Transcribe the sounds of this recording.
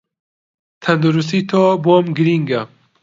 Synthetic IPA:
t̪ʰɐnd̪uɾus̬t̪it̪ʰɔːbomɡɨɾiŋɡɐ

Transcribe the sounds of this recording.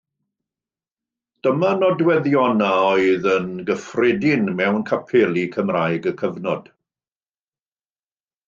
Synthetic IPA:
d̥əmanɔdwɛðjɔnaɔɨðənɡəfrɪdɪnmɛwnkʰapʰɪlˠikʰəmrajɡəkʰəvnɔd̥

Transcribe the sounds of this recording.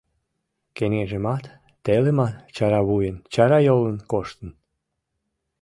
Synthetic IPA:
kenʲeʒemɑt̪ː | elemɑnt͡ɕɑɾɑβujənt͡ɕɑɾɑjolənkoʃt̪ən

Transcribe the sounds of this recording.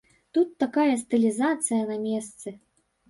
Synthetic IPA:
t̪ut̪ːakajɐst̪ɨlʲizat̪sɨjɐnamʲɛst̪sɨ

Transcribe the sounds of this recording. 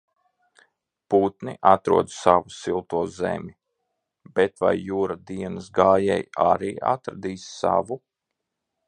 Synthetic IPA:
puːt̪niʔat̪ɾṵɔd̪savusilˠt̪uɔzḛmʲi | bet̪va̰jːuːɾad̪iɛnəsɡaːjɛjaɾiːa̰t̪ɾad̪iːsːa̰vu

